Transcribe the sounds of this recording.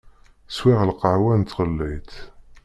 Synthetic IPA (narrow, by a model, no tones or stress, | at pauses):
swɪʁlqəʕwænt̪ːʁəlːijt̪